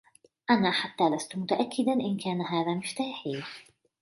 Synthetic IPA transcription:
ʔanaːħat̪ːaːlast̪ʊmʊt̪aʔakʰːɪd̪anʔɪnkaːnaɦaːðaːmɪft̪aːħiː

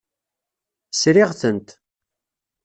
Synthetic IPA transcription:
sɾɪʁθənt̪

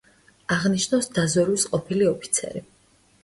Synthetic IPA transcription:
aʁniʃnasd̪azɔɾwisqʼɔpʰiliɔpʰi̥t̪sʰɛ̰ɾi

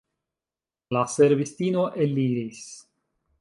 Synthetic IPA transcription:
laseɾβist̪inoʔelːiɾis

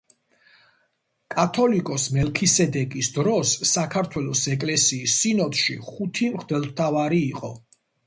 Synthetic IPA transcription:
kʼat̪ʰɔlikʼɔsmɛlkʰisɛd̪ɛkʼisd̪ɾɔsːakʰaɾt̪ʰwɛlˠɔsɛkʼlɛsiːsːinɔt̪ʃḭχut̪ʰimχd̪ɛlˠt̪ʰavaɾiːqʼɔ̰

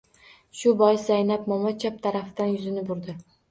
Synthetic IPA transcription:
ʃʊbɒjsajnap̚mɒmɒt͡ʃʰap̚t̪ʰaɾafɪd̪anjʊzɪnɪbʊɾd̪ɪ

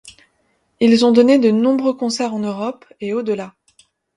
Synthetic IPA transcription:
ilzɔ̃d̪ɔned̪ənɔ̃bʁøkɔ̃sɛʁɑ̃nøʁɔpeod̪əla

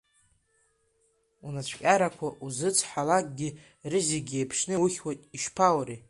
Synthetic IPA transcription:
unat͡ɕʷʰkʲʼaɾakʷʰaʔuzɨt͡sʰħalak̚ʼɡʲi | rɨziɡʲejpʰʂnɨwuχʲwajtʼiʃpʰawɾi

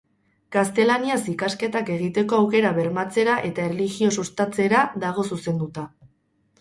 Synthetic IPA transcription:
kast̪e̞laniasikaske̞t̪ake̞ɣ̞it̪e̞ko̞awke̞ɾaβe̞ɾmat͡se̞ɾaʔe̞t̪aerliɣio̞sust̪at͡se̞ɾaðaɣ̞o̞suse̞nd̪ut̪a

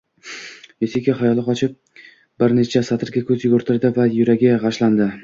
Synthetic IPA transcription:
jesekʲɪχajɒlˠɪqʰɒt͡ʃʰɪp̚ | bɪɾnet͡ʃʰasat̪ʰɪɾɡʲakʰʲɵzjʊɡɵɾt̪ʰɪɾd̪ɪvajʊɾaɡʲɪjʁɑʃland̪ɪ

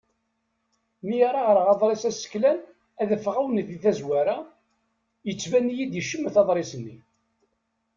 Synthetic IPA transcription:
mijaɾˤaʁəɾʁɑðˤɾˤesæsə̥kːlæn | æðəfʁawnθiθæzwæɾa | jət͡sːvænːijid̪jəʃːəmːəθɑðˤɾˤɪsənːi

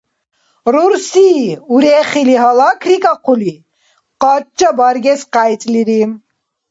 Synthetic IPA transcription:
ɾuɾsiuɾɛχiliɦɑlɑkʰɾikɑqʰuli | qɑt̚t͡ʃːɐbɑɾɡɛsqajt͡sʼliɾim

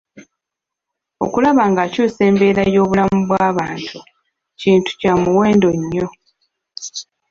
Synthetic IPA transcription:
o̞̰kulaβaːŋɡaːcuːse̞ːmbe̞ːɾajo̞ːβulamuβwaːβaːntʰu | ciːntu̥caːmuwe̞ːndo̞ɲːo̞

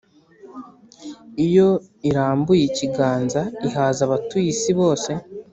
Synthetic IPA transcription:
ijo̞ | iɾaːmbujiciɡaːnzaiɦaːzaβatujisiβo̞ːse̞

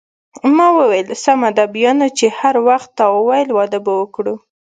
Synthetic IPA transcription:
mɑwəwejlsamad̪abjɑnot͡ʃehaɾwaxt̪ːawəwajlwɑd̪əbawəkɽu

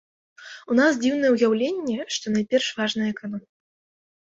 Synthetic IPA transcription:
unasd͡zʲiwnɐjɛujawlʲenʲːɛʂt̪ɔnajpʲɛrʂvaʐnɨjɐɛkanɔmʲ

